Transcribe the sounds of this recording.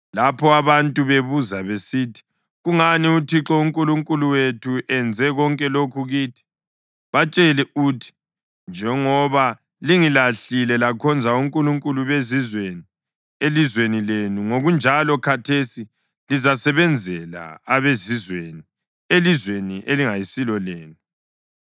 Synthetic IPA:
lapʰɔaβantʼuβeβuzaβesitʰi̥ | ɣuŋaniutʰiǁɔuŋkʼuluŋkʼuluwetʰuʔɛnd͡zʱɛɣɔŋkʼɛlokʰuɣiːtʰi̥ | βat͡ʃʼɛlɛutʰi̥ | nd͡ʒʱɛŋɔβa | liŋilaɬilɛlakʰɔnd͡zʱauŋkʼuluŋkʼuluβezizweni | elizwenilenuŋoɣund͡ʒʱalɔkʰatʰesi | lizasɛβɛnd͡zʱɛla̰aβezizweni | elizweniʔeliŋajisilɔleːnu

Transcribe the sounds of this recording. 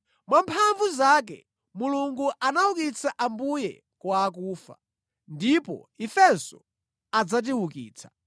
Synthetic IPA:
mwampʰaɱvuzak̬ɛ̰ | muluŋɡuʔanawukit͡sʰaʔambujɛ̰ | kwaːk̬uːfa̰ | ndipɔ̰ifɛnsɔ | ad͡zat̬iwukḭːt͡sʰḁ

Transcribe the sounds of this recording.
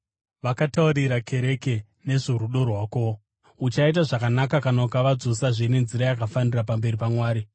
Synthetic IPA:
ʋakatauɾiɾakʰe̞ɾe̞ke̞ | ne̞ʐoɾuɗo̞rwaːko | ut͡ʃaitaʐakanakakanaukaʋad͡zosaʐinenziɾajakafanirapambe̞ɾipamwaːɾi

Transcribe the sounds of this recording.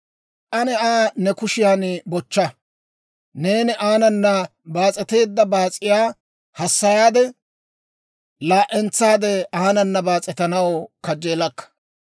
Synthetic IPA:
ʔɐnɛaːnɛkʊʃɪjaːnbɔt͡ʃːɐ | neːnɪʔaːnɐnːɐ | baːt͡sʼɛt̪e̞ːd̪ːɐbaːt͡sʼɪjaː | hɐsːɐjaːd̪ɛ | laːʔɛnt͡sːaːd̪ɛaːnɐnːɐbaːt͡sʼɛt̪ɐnɐwkɐd͡ʒeːlɐkːɐ̥

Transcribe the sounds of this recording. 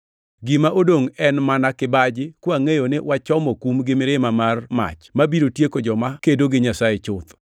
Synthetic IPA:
ɡɪmaʔodoŋɛnmanakɪbad͡ʒɪkwoaŋejonɪwat͡ʃɔmɔkumɡɪmɪɾɪmamarma̰t͡ʃmabiɾotjekod͡ʒɔmakedoɡɪɲasajet͡ʃʊt̪

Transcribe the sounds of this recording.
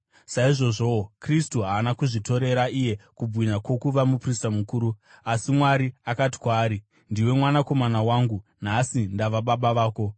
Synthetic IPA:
saiʐo̞ʐo̞kristuɦaːnakuʐito̞ɾe̞ɾaʔije̞kub͡vwiɲakwo̞kuʋamupristamukuːɾuasimwaɾiakat̬i̥kwaːɾi | ndiwe̞mwanako̞manawaːŋɡun̤asindaʋaɓaɓaʋaːko̞

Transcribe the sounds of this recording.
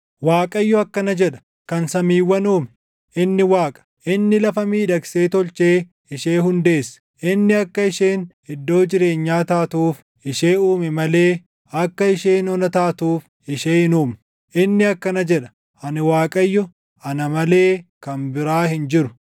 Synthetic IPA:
waːkʼɐjːɔɐkːɐnɐd͡ʒɛᶑɐ̥ | kɐnsɐmiːwːɐnuːm | ʔɪnːɪwaːkʼɐ̥ʔɪnːɪlɐfɐmiːᶑɐkse̞ːt̪ɔlt͡ʃeː | ɪʃeːhʊnd̪e̞ːsːɐ̥ | ʔɪnːɪɐkːɐɪʃeːn | ɪd̪ːo̞ːd͡ʒɪɾe̞ːɲːaːt̪aːt̪uːf | ɪʃeːuːmɛmɐle̞ː | ɐkːɐɪʃeːnɔnɐt̪aːt̪uːf | ɪʃeːhɪnuːm | ʔɪnːɪɐkːɐnɐd͡ʒɛᶑɐ̥ | ʔɐnɪwaːkʼɐjːɔ | ɐnɐmɐle̞ːkɐnbɪɾaːhɪnd͡ʒɪɾʊ̥

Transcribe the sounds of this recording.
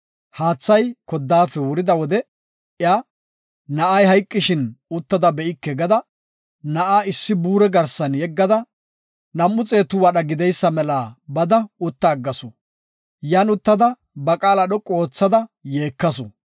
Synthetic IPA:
haːt͡sːɐjkɔd̪ːaːfɛwʊɾɪd̪ɐwɔd̪ɛ | ɪjaː | nɐʔɐjhɐjkʼːɪʃɪnʊt̪ːɐd̪ɐbɛʔɪkːɛɡɐd̪ɐ | nɐʔaːɪsːɪbuːɾɛɡɐɾsɐnjɛɡːɐd̪ɐ | nɐmːʊt͡sʼe̞ːt̪ːʊwɐɗɐɡɪd̪ɛjsːɐmɛlaːbɐd̪ɐʊt̪ːɐːɡːɐsɔ | jaːnʊt̪ːɐd̪ɐ | bɐkʼaːlɐɗɔkʼo̞ːt͡sːɐd̪ɐjeːkːɐsɔ

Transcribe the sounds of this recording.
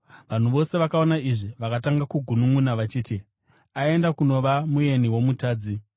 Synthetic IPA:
ʋan̤uʋo̞se̞ʋakao̞naiʐiʋakataŋɡakuɡʱunuŋunaʋat͡ʃiːti | ae̞ndakuno̞ʋamuje̞niwo̞mutaːd͡zi

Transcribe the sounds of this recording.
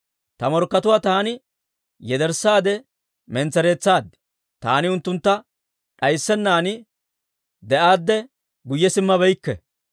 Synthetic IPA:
t̪ɐmɔɾkːɐt̪ʊwaːt̪aːnɪ | jɛd̪ɛɾsaːd̪ɛ | mɛnt͡sːɛɾe̞ːt͡sːaːd̪ɪ̥ | t̪a̰ːnɪʊnt̪ːʊnt̪ːɐ | ᶑɐjsːɛnːaːnɪ | d̪ɛʔaːd̪ːɛ | ɡʊjːɛsɪmːɐbɛjkːɛ̰

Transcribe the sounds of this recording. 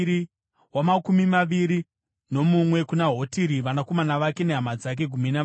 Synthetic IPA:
i | wamakumimaʋiɾi | no̞mumwe̞kunaɦo̞tiɾiʋanako̞manaʋake̞ne̞ɦamad͡zak̬e̞ɡʱumina

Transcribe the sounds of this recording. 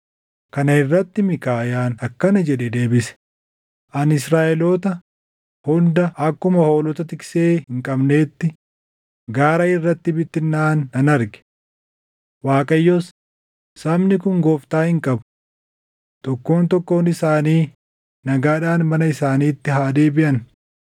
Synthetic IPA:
kɐnɐɪrːɐt̪ːɪmɪkaːjaːnɐkːɐnɐd͡ʒɛᶑɛd̪e̞ːbɪsɛ̥ | ʔɐnɪsɾaːʔɛloːt̪ɐ | hɔnd̪ɐʔɐkːʊmɐho̞ːlɔt̪ɐt̪ɪkseːhɪŋkʼɐbne̞ːt̪ːɪ | ɡaːɾɐɪrːɐt̪ːɪbɪt̪ːɪnːaːnɐnɐɾɡɛ̥ | waːkʼɐjːos | sɐmnɪkʊŋɡoːft̪aːhɪŋkʼɐbʊ̥ | t̪ɔkːo̞ːnt̪ɔkːoːnɪsaːniː | nɐɡaːᶑaːnmɐnɐɪsaːniːt̪ːɪɦaːd̪eːbɪʔɐn

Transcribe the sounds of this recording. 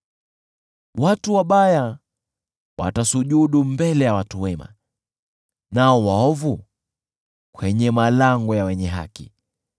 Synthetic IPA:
watuwaɓaja | wʔa̰tasuʄuɗumbɛlɛjawatuwɛma̰ | naɔwaɔvu | kwɛɲɛmalaŋɡɔjawɛɲɛɦa̰kḭ

